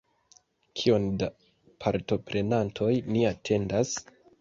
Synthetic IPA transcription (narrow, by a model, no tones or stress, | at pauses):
kʰio̞nda | pʰaɾto̞pɾe̞nantʰo̞jniatʰe̞ndas